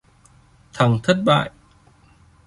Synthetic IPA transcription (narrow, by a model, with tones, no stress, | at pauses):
t̪ʰa˨˩ŋt̪ʰə˦˥t̚ɓa̰ː˧˨j